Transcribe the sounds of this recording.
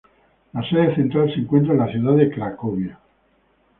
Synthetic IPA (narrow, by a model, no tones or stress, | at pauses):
laseðeθent̪ɾalseŋkwe̞nt̪ɾaenlaθjuðaðekɾakoβja